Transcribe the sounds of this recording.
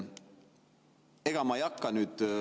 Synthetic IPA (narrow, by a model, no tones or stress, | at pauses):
e̞ɡ̥ɑmɑejɑkːɑnyːd̪̥